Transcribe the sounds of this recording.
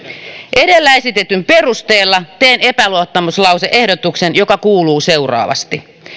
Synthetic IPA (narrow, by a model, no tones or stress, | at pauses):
ʔe̞delːæesit̪et̪ymperust̪eːlːɑt̪eːnepæluot̪ːɑmuslɑwseʔehdot̪uksenjo̞kɑkuːluːse̞urɑ̰ːʋɑ̰st̪i